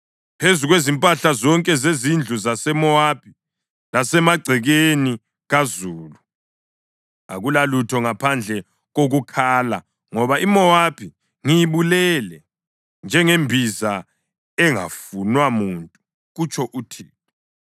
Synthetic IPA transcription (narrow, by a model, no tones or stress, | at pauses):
pʰezuɣwezimpʼaɬazɔŋkʼɛzezind͡ɮʱuzasɛmɔwapʰi̥ | lasɛmaɡ͡ǀʱɛɣeni | ɣazuːlu | aɣulalutʰɔŋapʰand͡ɮʱɛ | ɣoɣukʰaːla̰ | ŋɔβaimɔapʰi | ŋijiβulɛlɛ | nd͡ʒʱɛŋembʱiza | ɛŋa̰funwamuntʼu | ɣut͡ʃʰʼɔʔutʰiːtɔ